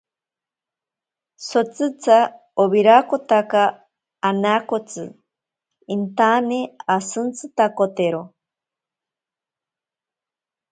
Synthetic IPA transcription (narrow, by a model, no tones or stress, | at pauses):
sot͡sɨt͡sa | oβiɾakot̪akaː | nakot͡sɨ̰ | int̪aneasɨnt͡sɨt̪akot̪eɾo